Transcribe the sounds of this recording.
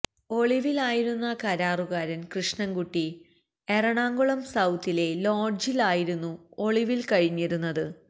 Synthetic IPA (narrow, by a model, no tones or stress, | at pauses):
o̞ɭiʋilaːjiɾunːɐkɐɾaːruɣaːɾɐnkrɨʂɳɐŋɡuʈːi | eɾɐɳaːŋɡoɭɐmsɐwt̪ːile̞loːɖd͡ʑilaːjiɾunːuo̞ɭiʋilkɐɻiɲːiɾunːɐðɨ